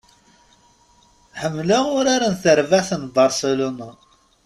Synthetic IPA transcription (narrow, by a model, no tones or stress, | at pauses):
ħəmːlaʊɾaɾanθəɾvaθənbɑɾseluna